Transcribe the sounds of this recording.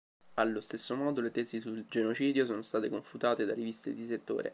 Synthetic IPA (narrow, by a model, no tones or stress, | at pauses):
alːost̪esːomɔːd̪olet̪ɛsisuld͡ʒenot͡ʃiːd̪jos̬oːnost̪aːt̪ekoɱfut̪aːt̪ed̪arivist̪ḛd̪iset̪ːo̰ːɾḛ